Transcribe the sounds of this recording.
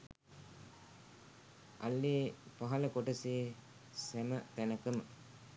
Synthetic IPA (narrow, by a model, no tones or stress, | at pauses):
a̰lːeːpaɦɐləkoʈəse | sæmət̪ænəkəmə